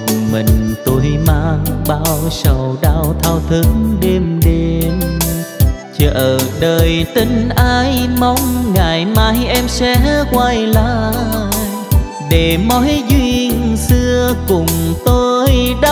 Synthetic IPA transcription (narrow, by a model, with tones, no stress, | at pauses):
mḭ̈˨˩ŋ̟t̪o˧jmaː˧ŋɓaː˧wsə˧˩wɗaː˧wt̪ʰaː˧wt̪ʰɨ˨˧˦ŋŋɗe˧mɗe˧m | t͡ɕəː˨˩ʔəː˨˩ɗəː˨˩jt̪i˨˧ŋ̟ʔaː˧jma˨˧˦wŋ͡mŋaː˨˩jmaː˨˦jʔɛ˧msɛ̰˧˥kwaː˧jlaː˧˨˩ | ɗe˨˩mɔ˨˦jzwi˧ənsɨ˧əkʊ˨˩ŋ͡mt̪o˧jɗa˧